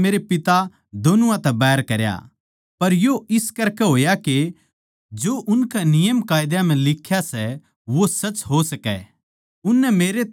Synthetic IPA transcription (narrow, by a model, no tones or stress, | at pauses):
meːɾepɪt̪a | d̪oːnʊãt̪ɛbɛːɾkɐɾja̰ | pɐɾjoɪskɐɾkɛɦoːjake | d͡ʒoːʔʊnkɛnɪjəmkaːjd̪jãm̤ɛ̃lɪkʰːjasɛ | ʋosɐt͡ʃɦosɐkɛ̰ | ʊnːɛmeːɾe